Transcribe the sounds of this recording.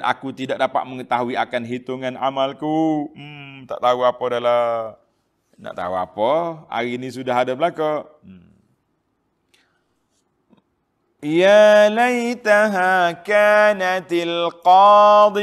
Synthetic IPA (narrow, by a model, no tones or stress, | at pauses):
na̰kut̪idaʔk̚dapa̰ʔ̪̚məŋət̪aɦuiakanɦit̪uŋana̰malku | t̪a̰ʔt̪auapədala | na̰ʔt̪a̰ua̰pəa̰ɾinisudaɦadap̚laka | jalajt̪aɦakaːnat̪alqɑːd̪